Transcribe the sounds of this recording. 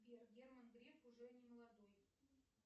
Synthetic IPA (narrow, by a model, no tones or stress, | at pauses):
bʲerɡʲermənɡɾʲekʊʐɛnʲɪməlˠɐd̪oj